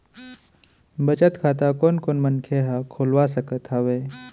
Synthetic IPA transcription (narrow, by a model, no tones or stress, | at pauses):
bət͡ʃət̪kʰaːt̪̬akoːnkoːnmənkʰeɦakʰoːlwas̬əkət̪ɦaweː